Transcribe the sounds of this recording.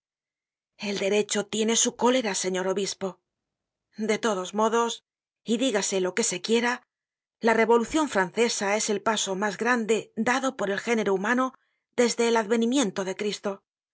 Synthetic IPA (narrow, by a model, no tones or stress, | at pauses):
e̞ld̪e̞ɾe̞t͡ʃo̞t̪je̞ne̞suko̞le̞ɾase̞ɲo̞ɾo̞βispo̞ | d̪e̞t̪o̞ðo̞zmo̞ðo̞s | iðiɣase̞lo̞ke̞se̞kje̞ɾa | lare̞βo̞luθjo̞ɱfɾanθe̞sae̞se̞lpaso̞mazɡɾand̪e̞d̪aðo̞po̞ɾe̞lxe̞ne̞ɾoumano̞ | ðe̞zðe̞ːlaðβe̞nimje̞nt̪o̞ðe̞kɾist̪o̞